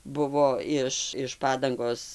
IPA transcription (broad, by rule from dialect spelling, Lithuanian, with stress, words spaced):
ˈbʊʋoː ˈɪʃ ɪʃ ˈpɑːdɐŋɡoːs